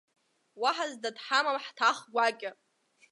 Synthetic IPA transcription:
waħazdadħamamħtʰaχɡʷakʲʼɪ

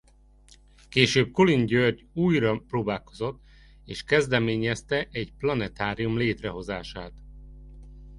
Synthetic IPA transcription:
keːʃøːb̚kolinɟørɟuːjrɒproːbaːlko̞zo̞t̪ː | eːʃkɛzd̪ɛmeːɲɛst̪ɛʔɛɟplɒnɛt̪aːɾijumleːt̪rɛɦo̞zaːʃaːt̪

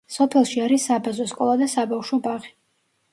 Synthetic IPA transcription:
sɔpʰɛlˠʃiaɾisːabazɔskʼɔlˠad̪asabafʃɔbaʁi

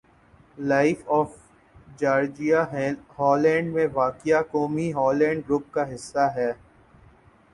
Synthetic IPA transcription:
laɪfɔːf | d͡ʒaːɾd͡ʒijaɦɛ̃hɔːlɛ̃ːɳɖmẽʋaːkijakɔːmiɦɔːlɛ̃ːɳɖ̚ɡɾʊp̚kaɦɪsːaɦɛː

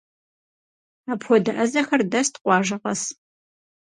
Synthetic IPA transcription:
apʰɔdɐʔɐzɐxɐrdɐstqʷɑːʒɐqɐs

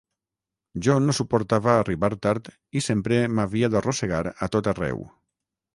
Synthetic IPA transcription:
ʒɔnosupoɾt̪aβaːriβaɾt̪aɾt̪ | isempɾemaβiaðaroseɣaɾat̪ot̪arɛ̰w

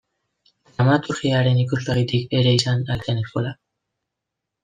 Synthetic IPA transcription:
amat̪uɾɣiaɾe̞nikuzleɣit̪ike̞ɾe̞isanalkeneskola

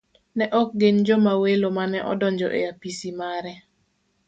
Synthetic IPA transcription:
nɛʔɔk̚ɡeɲd͡ʒɔmawelomanɛʔɔ̰dɔɲd͡ʒɔ̰ʔḛjapisimaɾɛ

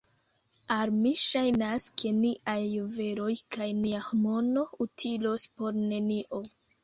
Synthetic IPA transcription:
aɾmiʃajnaskʰe̞niʔajːove̞ɾo̞jkʰajniahomo̞no̞utʰilospo̞ɾne̞niʔo̞

